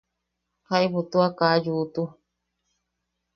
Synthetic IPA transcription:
hajbut̪uakad͡ʒut̪u

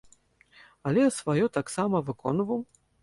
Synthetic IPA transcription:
ɐlʲɛsvajɔt̪aksamɐvɨkɔnvɐw

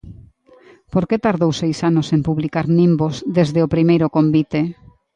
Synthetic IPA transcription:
poɾket̪aɾðowsejsanosempuβlikaɾnĩmbozðezðeopɾimejɾʊkombit̪e

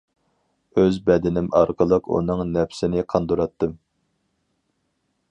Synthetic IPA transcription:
øzbɛd̪ɪnɪmɑɾqəlˠəqṵnɨŋnɛpsɪnɪqʰɑnd̪uɾɑt̪ːɨm

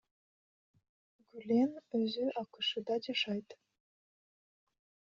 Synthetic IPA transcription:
ɡylʲenɘ̆zyʔɑkɤ̆ʃɤ̆d̪ɑdʲeʃɑjt̪

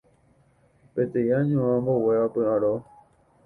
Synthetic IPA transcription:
pet̪ejaɲõãmboweʋapɨãɾo

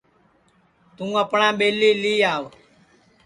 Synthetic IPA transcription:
t̪ũːəpɳãːɓeːliːliːaːʋ

